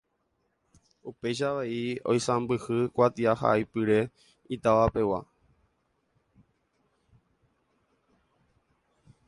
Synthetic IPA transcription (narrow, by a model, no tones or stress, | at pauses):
upe̞jʃaʋeio̞̰jsãmbɨhɨkʷat̪iaha̰ʔajpɨɾe̞ | it̪aʋape̞wa̰